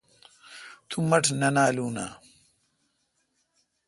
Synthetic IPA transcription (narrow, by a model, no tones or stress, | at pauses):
t̪ʰumɐʈʰnɐnaːluːna̰ː